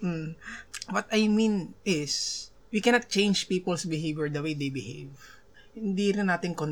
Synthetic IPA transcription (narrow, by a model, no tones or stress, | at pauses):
ʔ̩ | wɐt̪ajmĩnʔɪs | wikɛnɐt̪̚t͡ʃẽjnd͡ʒpiːpɐlsbɪɦejvjɛɹd̪ɐwejd̪ejbɪhḛjv | hɪnd̪iɾɪnːaːt̪ɪŋkon